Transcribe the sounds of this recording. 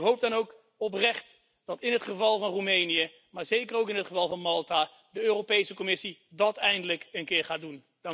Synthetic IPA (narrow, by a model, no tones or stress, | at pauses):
ɦowp̚dɑnowk | ɔp̬rɛχt | d̥ɑtɪnɦətχəvɑlˠvɑnrumejnijə | maːɹzejkərowkɪnɦətχəvɑlˠvɑnmɑlˠta | dəøːrowpejsəkɔmɪsidɑtɛjndələkənkɪːɹχaːdun | d